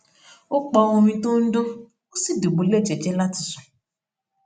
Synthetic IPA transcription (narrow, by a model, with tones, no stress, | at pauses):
o˦k͡pɔ˧wo˧mĩ˧to˦n̩˦dʊ̃˦ | o˦si˦˨do˨ɡ͡bo˨le˦˨d͡ʒɛ˨d͡ʒɛ˦la˦ti˨su̥˨